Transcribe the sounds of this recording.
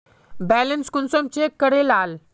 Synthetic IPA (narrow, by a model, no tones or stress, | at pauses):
bɛlenskunsomt͡ɕekːəɽelaːl